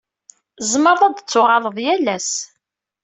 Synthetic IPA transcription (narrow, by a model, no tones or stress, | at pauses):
zməɾˤðˤæd̪t͡sːʊʁɑləðˤjælːæs